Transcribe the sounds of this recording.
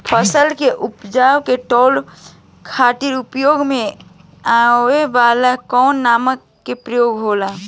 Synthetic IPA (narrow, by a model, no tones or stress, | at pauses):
pʰəsəlkeʔʊpd͡ʒaːwkeʈɔːl | kʰaːt̪iɾʊpjoːɡmẽ | aeʋaːlakɔːnːaːməkːepɾəjoːɡɦoːlaː